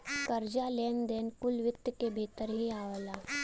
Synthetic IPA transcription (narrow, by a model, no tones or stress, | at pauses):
kəɾd͡ʒaleːnd̪ɛːnkʊlʋɪt̪jkebʱiːt̪əɾɦiaːʋəlaː